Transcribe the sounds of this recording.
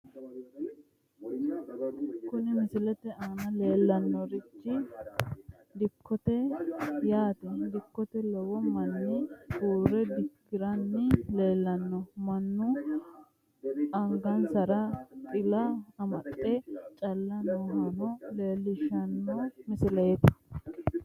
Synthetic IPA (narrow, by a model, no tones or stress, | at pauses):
kʊnɪmɪsɪlɛt̪ɛaːnɐle̞ːlːɐnːɔɾɪt͡ʃːɪ | d̪ɪkʰːɔt̪ɛjaːt̪ɛd̪ɪkːɔt̪ɛlɔwɔmɐnːɪtuːɾɛd̪ɪkːɪɾɐnːɪle̞ːlːɐnːɔmɐnːʊ | ɐŋɡɐnsɐɾɐt̪ʼɪlɐɐmɐt̪ʼːɛt͡ʃʼɐlːɐnɔhɐnɔle̞ːlːɪʃɐnːɔmɪsɪlɐjɛt̪ɐ̥